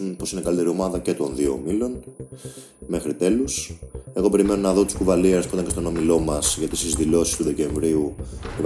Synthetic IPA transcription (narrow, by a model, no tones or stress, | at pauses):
unpo̞sinekɐlit̪e̞ɾio̞mɐðɐce̞t̪o̞nðio̞̰milo̞n | me̞xɾit̪e̞luse̞ɣo̞pe̞ɾime̞no̞nɐðo̞t̪u̥skuvɐlieɾspuit̪ɐ̃ncest̪o̞no̞milo̞mɐsʝɐt̪ist̪izðilo̞sist̪uðe̞ce̞ɱvɾiuip